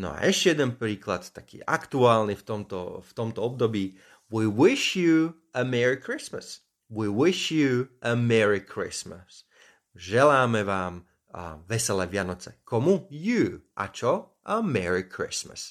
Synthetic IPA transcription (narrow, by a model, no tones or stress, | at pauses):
nɔ̰a̰ʔɛʃcɛjɛd̪ɛnpɾiːklat̪ːakḭːʔakt̪uaːlnift̪ɔmt̪ɔ̰ft̪ɔmt̪ɔɔb̚d̪ɔbiː | wiːwɪʃju | ʔəmɛɹikɾismə̰s | wiːwɪʃjuʔəmɛɹikʰɾḭsməs | ʒɛlaːmɛʋaːm | ʋɛsɛlɛʋɪanɔt͡sɛ̰kʰɔmujuːʔa̰t͡ʃɔ | əmɛɹikʰɾɪ̰smə̰s